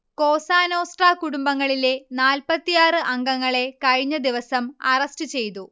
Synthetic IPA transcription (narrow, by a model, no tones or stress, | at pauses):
ko̞ːsaːno̞ːsʈraːkuɽumbɐŋːɐɭile̞naːlpɐt̪ːijaːrɨʔɐŋɡɐŋːɐɭe̞kɐɻiɲːɐd̪iʋɐsɐmɐrɐstɨt͡ɕe̞jt̪u